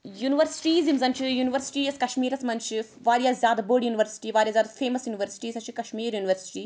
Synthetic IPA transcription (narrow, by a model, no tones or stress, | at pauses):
juːniʋɐɾsi̥ʈiːzimzɐnt͡ʃʰijuːniʋɐɾsi̥ʈieskɐʃmiːɾɐsmɐnt͡ʃʰi | ʋaːɾjazʲjaːd̪ɐboːɖjuːniʋɐɾsi̥ʈiːʋaːɾijaːzʲaːd̪ɐfʰeːmɐsjuːniʋɐɾsi̥ʈiːsɐt͡ʃʰikɐʃmiːɾjuːniʋɐɾsi̥ʈiː